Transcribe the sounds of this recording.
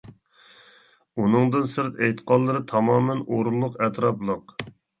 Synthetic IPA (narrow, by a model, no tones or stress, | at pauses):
unɨŋd̪ɨnsɨɾt̪ejt̪ə̥qʰɑllˠːɨɾɨt̪ʰɑmɑːmɛnoɾulˠːʊqɛt̪ɾɑplˠəq